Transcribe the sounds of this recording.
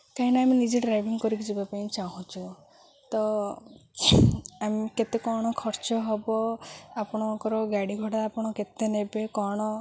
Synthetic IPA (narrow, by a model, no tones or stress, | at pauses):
kaɦineaminid͡ʒeɖɾajbʱiŋɡkɔɾikid͡ʒibapaĩt͡ʃaɦũt͡ʃʰu | t̪ɔ | amiket̪ekɔɽ̃ɔkʰɔɾt͡ʃɔɦɔbɔapɔɽ̃ɔkɔɾɔɡaɽiɡʱɔɽaːpɔɽ̃ɔket̪enebekɔɽ̃ɔ